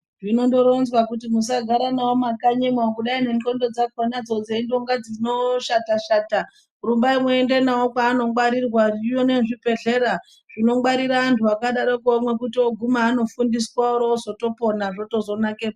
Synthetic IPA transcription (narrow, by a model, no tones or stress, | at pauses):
ʐino̞ndoɾonzwakutimus̬aɡʱaɾanaomakaɲemwakuɗainenko̞ndo̞d͡zakwonad͡zod͡zeindoŋɡad͡zino̞ʃataʃaːta | rumbaimoende̞nawokwaːno̞waɾirwarijone̞ʐipe̞ɮe̞ɾa | ʐ̥ino̞mwaɾiraːntʰuakaɗaɾokuomwekutioɡʱumaːno̞fundis̬wauɾozo̞to̞po̞naʐo̞to̞zo̞nakep